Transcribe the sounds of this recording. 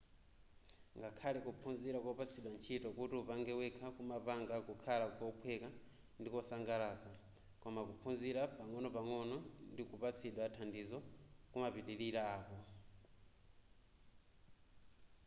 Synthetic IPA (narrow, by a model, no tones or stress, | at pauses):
ŋɡakʰalɛkupʰunziɾakɔpat͡sʰiɗwant͡ʃʰitɔkutiupaŋɡɛwɛkʰakumapaŋɡakukʰalawɔpʰwɛka | ndikɔsaŋɡalaːt͡sa | kɔmakupʰunziɾapaŋɔnɔpaŋɔnɔndikupat͡sʰiɗwatʰandizɔkumapitiɾiɾaaːkɔ